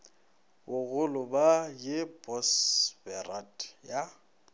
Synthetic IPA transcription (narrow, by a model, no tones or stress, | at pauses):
bʊɣʊlʊbajɪbɔsbɛratja